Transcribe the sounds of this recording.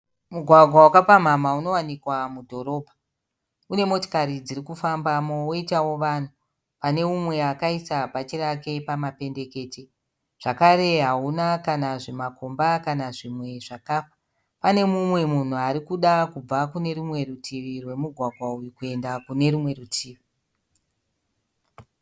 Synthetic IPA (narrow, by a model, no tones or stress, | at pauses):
muɡʱwaɡʱwawakapam̤amauno̞wanikwamudʱo̞ɾo̞ːbʱa | une̞mo̞to̥kaɾid͡ziɾikufambamooitawo̞ʋan̤u | pane̞mumwe̞akaisapat͡ʃiɾake̞pamape̞nde̞ke̞ːte | ʐ̥akaɾe̞ɦaunakanaʐe̞makombakanaʐimwe̞ʐakafḁ | pane̞mumwe̞mun̤uaɾikuɗakub͡vakune̞ɾumwe̞rutʰiʋirwe̞muɡʱwaɡʱwaujikue̞ndakune̞ɾumwe̞ɾutʰiːʋi